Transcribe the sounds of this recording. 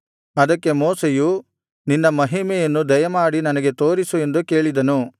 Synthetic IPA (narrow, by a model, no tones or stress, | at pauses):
ɐd̪ɐkːe̞moːseju | ninːɐmɐɦimɛjɐnːud̪ɐjɐmaːɽinɐnɐɡe̞t̪o̞ːɾisue̞nd̪uke̞ːɭid̪ɐnu